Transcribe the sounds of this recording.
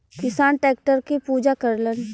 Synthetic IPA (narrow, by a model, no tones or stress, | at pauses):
kɪsaːnʈɛːk̚ʈəɾkepuːd͡ʒakəɾlən